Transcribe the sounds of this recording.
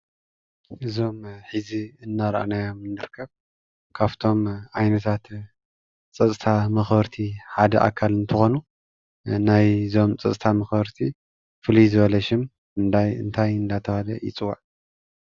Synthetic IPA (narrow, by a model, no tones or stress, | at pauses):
ʔɨzo̞mħɨziɨnːaɾʔa̰najomɨnːɨɾɨkʰːɐβ | kʰaβt̪ʰo̞mʕajnɐt̪ʰat̪ | t͡sʼɐt͡sʼt̪ʰamɐxbɐɾt̪ʰiħad̪ɐʔa̰kʰːalɨnt̪ʰɨxo̞nu | najzo̞mt͡sʼɐt͡sʼt̪ʰamɐxbɐɾt̪ʰi | fɨlizɨβɐlɐʃɪm | ɨnd̪ajɨ̰nt̪ʰajɨnd̪at̪ʰɐhad̪ɐ̰jɪ̰t͡sʼɨwːaʕ